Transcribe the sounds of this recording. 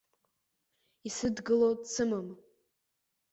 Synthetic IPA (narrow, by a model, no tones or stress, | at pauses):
isɨdɡɨlot͡sʰɨmam